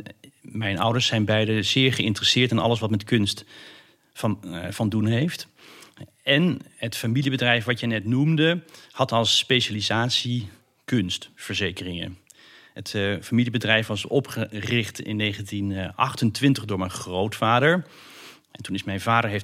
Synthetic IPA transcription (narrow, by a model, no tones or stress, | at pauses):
mɛjnʌ̰wdəɹsɛjnbɛjdəzɪːɹχəɪntərəsɪːɹtɪnʔɑ̰ləs̬ʋɑtmɛtkɵnst | v̥ɑndunɦejft | ɛnɦətfamilibədrɛjfʋɑtjənɛtnumdəhɑtɑlˠspejʃalizaːtsi | kɵnstfəɹzejkərɪŋə̰ | ɦətfamilibədrɛjfʋɑsɔpχərɪχtɪ̰nːejχəntinʔɑ̰χtəntʋɪntəχdʊːɹmɛjnχrowtfaːdəɹ | ɛntunɪsmɛjnvaːdəɹɦejf